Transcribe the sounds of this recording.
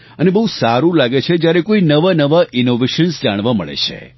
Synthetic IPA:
ənebəɦusaɾũlaɡet͡ʃʰed͡ʒjaɾekoinəʋanəʋaʔinoʋeʃənsd͡ʒaɽ̃ʋaməɭḛt͡ʃʰḛ

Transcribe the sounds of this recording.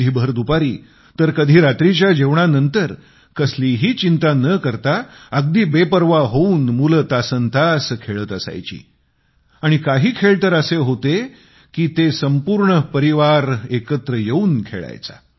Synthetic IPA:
iːbʱəɾd̪upaɾiː | t̪əɾkəd̪ʱiːɾat̪ɾit͡ɕjad͡ʑeʋɳanənt̪əɾ | kəsliɦiːt͡ɕint̪anəkəɾt̪aəɡ̚d̪iːbepəɾʋaɦouːnmulət̪asənt̪askʰeɭət̪əsa̰jt͡ɕḭː | aɽ̃ikaɦiːkʰeɭt̪əɾəseɦot̪e | kiːt̪esəmpuɾɳəpəɾiʋaɾekət̪ɾəjeuːnkʰḛɭa̰jt͡sa̰

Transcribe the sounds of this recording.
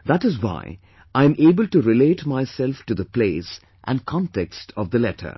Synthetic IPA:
ðæʈɨzwa̰ɪ | ʔãɪ̃meːbəlʈuɾɪleːʈmaɪsɛlfʈuðəpleɪs | ʔæ̃nkʰɑ̃nʈɛkstʰɔvd̪əlɛʈʰə̰˞

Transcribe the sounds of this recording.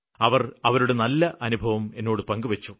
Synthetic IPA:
ɐʋɐrɐʋɐɾuɽe̞nɐlːɐʔɐnubʱɐʋɐme̞nːo̞ːɽɨpɐŋɡɨʋɐt͡ɕːu

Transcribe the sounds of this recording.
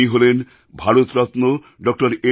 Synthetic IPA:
iɦolen | bʱaɾot̪ɾɔt̪no | ɖɔk̚ʈoɾe

